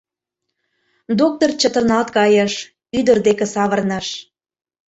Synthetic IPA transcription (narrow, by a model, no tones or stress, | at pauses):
d̪ok̚t̪ort͡ɕət̪ərnɑlt̪kɑjə̆ʃ | yd̪ərd̪ekĕsɑβərnəʃ